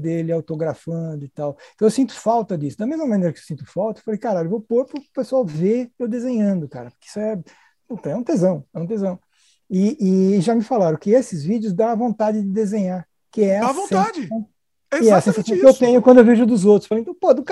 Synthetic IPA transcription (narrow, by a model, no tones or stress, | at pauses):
d̪elɪawt̪oɡɾafɐ̃d̪ʊɪt̪aweẽt̪ɐ̃w̃ewsĩnt̪ʊ̥fawt̪ɐd̪isʊd̪ɐmezmɐmɐ̃nejɾɐkɪewsĩnt̪ʊfawt̪ɐewfalejkaɾaʎewvopoɾpɾʊpesʊawvemewd̪ezẽɲɐ̃nd̪ʊkaɾɐpʊɾkɪi̥sʊɛ | õt̪ɐ̃ɛũt̪ezɐ̃w̃ɛũt̪ezɐ̃w̃ | ɪɪʒamɪfalaɾõkɪesɪzvid͡ʒjʊzd̪ãɐvõnt̪ad͡ʒɪd͡ʒɪd̪ezẽɲaɾ | kɪɛɐavõsad͡ʒɪɐ̃ | ɛɐsẽsasɐ̃w̃kɪewt̪ẽɲʊkwɐ̃d̪ʊewveʒʊd̪ʊzowt̪ɾʊ̥sfalej̃t̪ɐ̃w̃pod̪ʊk